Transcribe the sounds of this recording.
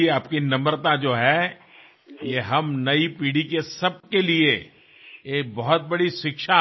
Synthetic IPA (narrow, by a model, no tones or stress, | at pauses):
eaːpkinɐməɾt̪ad͡ʒoːɦɛ | jeɦɐmnɐipiːɽikesɐb̚kelie | eːk̚bɐɦʊt̪̚bɐɽiʃɪkʃa